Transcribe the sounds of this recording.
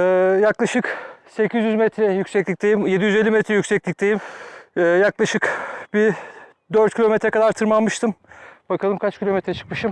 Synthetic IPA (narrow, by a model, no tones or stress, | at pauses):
ɛːjaklˠaʃɯkse̞cʰizjyzmɛt̪ʰɾɛjycsɛclʲic̚ʲd̪e̞jimjed̪ijyzeːimet̪ɾɛjycʲsɛclʲic̚ʲd̪e̞jimɛːjaklˠaʃɯkbi | d̪øɾt̪̚cʰilʲo̞met̪ɾɛkʰad̪aɾt̪ʰɯɾmanmɯʃt̪ʰɯmbakʰalˠɯmkʰat͡ʃcʰilʲo̞met̪ɾɛt͡ʃʰɯ̥k̚mɯʃɯm